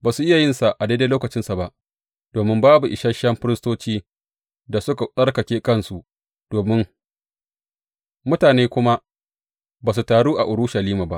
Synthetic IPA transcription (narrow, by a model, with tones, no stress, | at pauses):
baː˨su˨ʔɪ˦ja˨jɪ˦nsa˨ʔa˨de˦deː˦loː˦kɐ˨t͡ʃɪ˦nsa˨ba˦ʔ | d̥oː˨mɪ˦mbaː˦bu˨ʔɪ˨ʃɐ˦ʃɐ˦mɸɪ˦ɾɪ˦stoː˦t͡ʃiː˦ | da˨sʊ˦ka˨sʼɐ˦rkɐ˨kʲeː˦kɐ˦˨nsu˨ʔ | d̥oː˨mɪ˦ŋ | mʊ˦taː˨neː˦kʷʊ˦ma˦ | baː˨s̬u˨taː˨ɽuː˦ʔa˨ʔʊ˨ɽʊ˦ʃa˨liː˦ma˨ba̰˦ʔ